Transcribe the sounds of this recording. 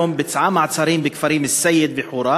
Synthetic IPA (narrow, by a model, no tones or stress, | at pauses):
ʊmbɪt̪ʕamaʕsˤɑɾiːmbɪkfaɾiːmɪsːajːɪd̪̚bɪħuːɾˤɑː